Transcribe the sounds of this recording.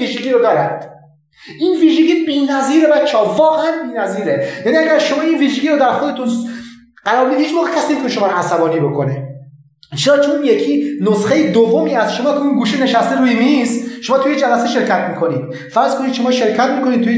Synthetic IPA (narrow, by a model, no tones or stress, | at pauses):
iʃeɡʲiːɾod̪ɒːɾænd̪̥ | ʔiːnviːʒeɡiːbiːnæziːɾebæt̪t͡ʃʰːeɒːvɒːɣeænbiːnæziːɾejæːniæɡʲæɾʃomɒːinviːʒeɟiːɾod̪æɾxod̪e̞t̪ʰun | ɢæɾɒːɾbid̪hiːt͡ʃmoːɣekʰʲæsiemit̪oneʃo̞mɒːɾoæsæbɒːniːbo̞kʰone | t͡ʃʰeɾɒːt͡ʃʰonje̞kʰiːnosxejed̪ovːomiːæst̪ʃo̞mɒːkʲʰeunɡuːʃene̞ʃæst̪eɾuːjimisʃo̞mɒːt̪ʰujed͡ʒælæseʃe̞ɾkʰæt̪ʰmiːkʰoniːd̪̥ | fæɾzkʰonid̪ʃo̞mɒːʃe̞ɾcʰæt̪̚miːko̞nid̪̚t̪ʰːuje